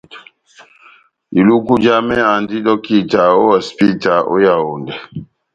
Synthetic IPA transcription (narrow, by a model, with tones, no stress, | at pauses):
i˨lu˦ku˦d͡ʒa˦mɛ˦a˨ndi˦dɔ˦ki˦˨ta˨o˦wa˨spi˦ta˨o̰˦ja˨o˨ndɛ˨